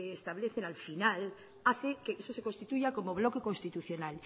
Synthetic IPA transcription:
st̪aβleθenalfinal | aθekeesose̞konst̪it̪uʝako̞moβ̞lo̞keko̞nst̪it̪uθjo̞nal

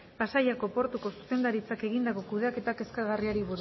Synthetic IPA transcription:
pasajako̞po̞ɾt̪uko̞su̥se̞nd̪aɾit͡sake̞ɣind̪ako̞kuðeake̞t̪ake̞skaɣariaɾiβuɾ

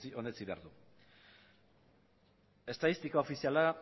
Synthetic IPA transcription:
io̞net͡siβe̞a̰ɾðu | e̞st̪aðist̪ikao̞fisiala

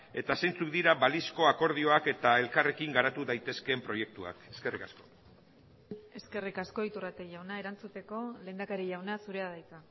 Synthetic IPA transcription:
e̞t̪asejnt͡sukd̪iɾaβalisko̞ako̞ɾð̞io̞ake̞t̪ae̞lkare̞kiŋɡaɾat̪uðajt̪e̞ske̞mpɾo̞je̞k̚t̪ua̰ke̞ske̞rikasko̞ | e̞ske̞rikasko̞it̪urat̪e̞ʝawnae̞ɾant͡sut̪e̞ko̞le̞ːnd̪akaɾiʝawnasuɾe̞aðajt͡sa

